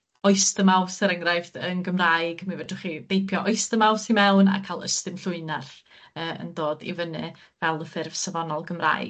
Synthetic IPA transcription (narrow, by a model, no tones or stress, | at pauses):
ɔɨstəmawsəɾəŋrajvðənɡəmrajɡmivɛdʊχid̥ejpʰjɔʔɔɨstəmawsimɛwna̰kʰalˠə̰stɨmɬʊɨnar | əːə̰ndoːdḭvənɨ | vɛlˠəfɪrv̥savɔnɔlˠɡəmra̰jɡ